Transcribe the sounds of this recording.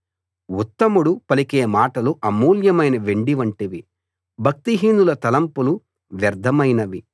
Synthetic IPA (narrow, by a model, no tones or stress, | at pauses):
ut̪ːɐmuɽupɐlikeːmaːʈɐluʔɐmuːljɐmɐjnɐʋe̞ɳɖiʋɐɳʈiʋi | bʱɐk̚t̪iɦiːnd̪ulɐt̪ɐlɐmpulu | ʋjɐɾd̪ʱɐmɐjnɐʋi